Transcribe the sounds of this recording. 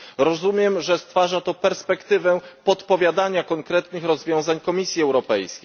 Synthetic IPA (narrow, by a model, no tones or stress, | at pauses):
ɾɔzumʲjɛmʐɛst̪faʐat̪ɔpɛɾspɛkt̪ɘvɛpɔt̪pɔvʲjad̪aɲakɔŋkɾɛt̪nɘxɾɔzvʲjɔ̃w̃zaɲkɔmʲisʲjiɛwɾɔpɛjskʲej